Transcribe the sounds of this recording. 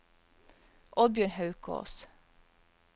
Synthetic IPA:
ʔɔd̪̚bjøːɳhɑʉkʰo̰ːs

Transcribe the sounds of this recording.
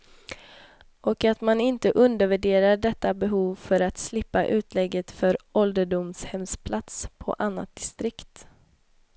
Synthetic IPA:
ʔɔkat̪manɪnt̪əʔɵnd̪əɾvæɖeːɾaɖɛt̪ːabɛɦuːvfœɾat̪slɪpːaʔʉ̟ːt̪ʰlɛɡːət̪fœɾʔɔld̪əɖʊmshɛmspʰlat̪spʰɔ̰ʔanːa̰t̪̚d̪̥ɪst̪ɾɪkt̪

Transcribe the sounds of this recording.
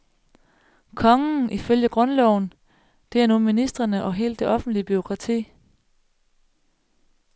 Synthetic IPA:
kʰɒ̽ŋn̩ʔiføljəɡ̥ʁɔ̽nlɒʊn | d̥e̝ænuminisd̥ʁɐnəʔɒ̽ɦe̝̰ːld̥ːe̝ʔɒ̽fn̩d̥lib̥yo̝kʰʁɑ̈t͡sʰḭː

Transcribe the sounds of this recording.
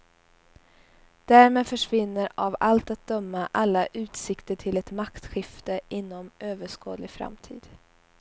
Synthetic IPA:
d̪̥æːɾmeːd̪fœʂvɪnːəɾavalt̪at̪̚d̪̥œmːaʔalːaʔʉ̟ːt̪sɪkt̪əʈʰɪlɛt̪makt̪ɧɪft̪əʔɪnːɔmøːvəʂko̰ːd̪lɪfɾa̰mt̪ʰḭːd̪̥

